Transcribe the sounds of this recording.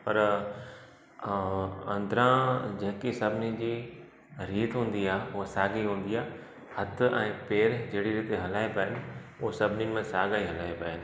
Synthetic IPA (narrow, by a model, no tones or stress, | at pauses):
pɐɾ | ɐ̃nd̪ɾãd͡ʑɐ̃ɦkisɐbʱɪnid͡ʑiː | ɾiːt̪ɦũːn̆d̪iaːʊɦasaːɡiɦũːn̆d̪iaː | hɐt̪ʰʊɛ̃ːpeːɾd͡ʑeɦɪɽiɾiːt̪ɦɐlaːipaːɦɪnɪ̆uɦsɐbʱɪnimẽsaːɡaːiɦɐlaːipaːɦɪnɪ̆